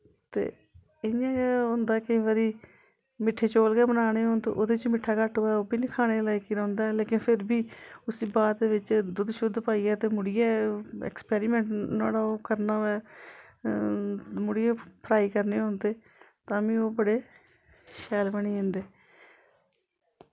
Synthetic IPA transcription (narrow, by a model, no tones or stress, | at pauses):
t̪ḛː | ɪjãːʊ̃nd̪aːkɪ̃ʋaːɾiː | mɪʈʰːeːt͡ʃoːlɡeːbənaːɽeːɦõːnd̪ḛːʔo̰ːd̪eːɪt͡ʃmɪʈʰːaːkəʈʰːoːɛːoːbiːniːkʰaːɽ̃eːlaːikiːɾɛ̃ʊnd̪aːleːkɪnpʰɪɾbiːʊsiːbaːd̪eːʋɪt͡ʃd̪ʊd̪ʃʊd̪ːpaːiːɛːt̪eːmʊɽɪjɛːɛ̰ːkspɛːɾɪmɛ̃ːɳʈnaːɽaːoːkəɾnaːɛː | mʊɽɪjeːpʰəɾaːiːkəɾneːõːnd̪eː | t̪ãːʋĩːoːbəɽeː | ʃɛːlbəɳiːẽːnd̪eː